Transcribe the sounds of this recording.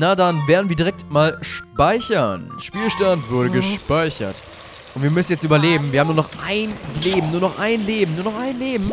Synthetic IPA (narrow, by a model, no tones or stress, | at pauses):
nadanveːɐdn̩viːɐdiʁɛk̚tmaːlʃpaɪçɐ̰nʃpiːlʃtantv̥ʊɐɾəɡəʃpaɪçɐ̰t | ʔʊntviːɐmʏsn̩jɛt͡stʔyːbɐleːbm̩viɐham̩nuɐnɔχʔaɪnleːbm̩nuːɐnɔχʔaɪnleːbm̩nuːɐnɔχʔaɪnleːbm̩